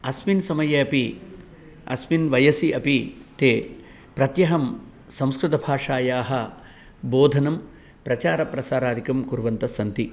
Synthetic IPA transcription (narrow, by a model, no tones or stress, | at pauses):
ɐsminsɐmɐjɐɐpi | ɐ̰sminʋɐjɐsiɐpit̪eː | pɾɐt̪jɐɦɐm | sɐ̃mskɾut̪ɐbʱaːʂaːjaːɦɐ | boːd̪ʱɐnɐm | pɾɐt͡ʃaːɾɐpɾɐsaːɾaːd̪ʱikɐmkuɾʋɐnt̪ɐsɐnt̪i